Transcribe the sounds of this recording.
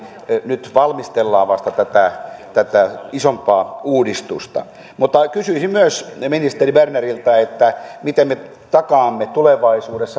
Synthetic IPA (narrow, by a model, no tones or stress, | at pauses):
nyt̪ʋɑlmist̪elːɑːʋɑst̪ɑt̪æt̪æt̪æt̪æisompɑːuːdist̪ust̪ɑ̰ | mut̪ːɑkysyisimmyøsminist̪eribernerilt̪ɑet̪ːæmit̪emme | t̪ɑkɑːmːet̪uleʋɑisuːdesːɑ